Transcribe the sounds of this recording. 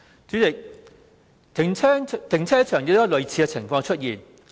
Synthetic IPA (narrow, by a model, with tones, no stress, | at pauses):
t͡ʃyː˨˥t͡sɪ˨k̚ | t̪ʰɪ˨˩ŋʰɛː˥t̪ʰɪ˨˩ŋt͡sʰɛː˥t͡ʃʰœː˨˩ŋjɪ˨˥t̪ʊ˦˥lɵ˨˧ɥt͡sʰiː˧kɛ˧t͡sʰɪ˨˩ŋfɔː˧ŋt͡ʃʰɵ˥t̚jiː˨˩n